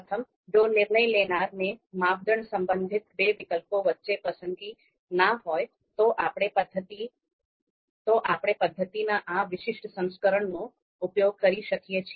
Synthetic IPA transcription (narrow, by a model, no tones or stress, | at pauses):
pət̪ʰəm | d͡ʒonɪɾɳəjlenaɾnemaʋd̪ʱəɳsəmbənd̪ʱit̪beʋɪkəlpoʋətːʃepəsəŋɡi | naɦɔj | t̪oʔapɽ̃epəd̪ʱːət̪i | t̪oʔapɽ̃epəd̪ʱːət̪inaʔaʋɪʃɪʃʈsə̃ŋ̃skəɾəɳno | upjoɡ̚kəɾiʃəkijet͡ʃʰie